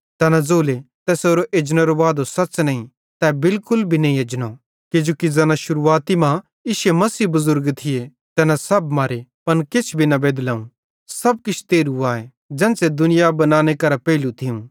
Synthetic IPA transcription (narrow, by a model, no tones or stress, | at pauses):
t̪ɛːnãzoːlet̪ɛːsoːɾoʔed͡ʒnãɾoʋaːd̪osɐtːt͡ʃnɐĩ | t̪ɛbɪlkʊlbʱinɐ̃ɦĩed͡ʒno | ked͡ʒoːkizɐːnãʃʊɾuaːt̪imã | ɪʃemɐsiːbʊzʊɾɡt̪ʰɪje | t̪ɛːnãsɐbmaːɾepɐnkɪt͡ʃʰbʱinɐbeːd̪laːũ | sɐb̚kɪt͡ʃʰt̪eːɾuaːe | d͡ʒɛ̃ːnsed̪ʊnɪjabɐnãːñekɐɾapɛːlũt̪ʰɪũ